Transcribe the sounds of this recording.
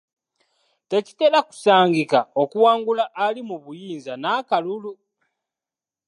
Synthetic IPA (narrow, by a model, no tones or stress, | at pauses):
te̞ci̥te̞ɾaku̥saːŋɡikao̞kuwaːŋɡulaʔːlimuβujiːnzanaːkalulu